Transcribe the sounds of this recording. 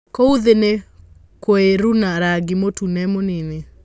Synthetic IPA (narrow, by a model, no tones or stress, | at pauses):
kouðene | koeɾunaɾaɡimotunɛmonene